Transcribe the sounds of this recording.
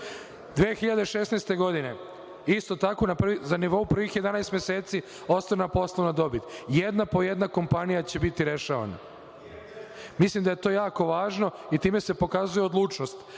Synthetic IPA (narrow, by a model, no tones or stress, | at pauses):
d̪ʋeːxiʎad̪e̞ʃe̞snejst̪e̞ɡo̞d̪ine̞ | ist̪o̞t̪ako̞naprizaniʋo̞upr̩ʋixjed̪anajst̪mjeseːt̪si | o̞st̪oɾnapo̞slˠonad̪o̞bit̪jed̪napo̞jed̪nako̞mpanijat͡ɕe̞bit̪iɾe̞ʃaʋa̰na̰ | mislˠimd̪ajet̪o̞ːjaːko̞ʋaːʒno̞it̪iːme̞se̞po̞kazujeo̞d̪lˠuːt͡ʃno̞st̪